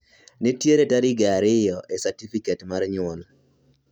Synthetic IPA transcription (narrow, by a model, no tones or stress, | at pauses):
netjeɾetaɾɪɡaaɾɪjɔʔesatifiketmarɲʊɔl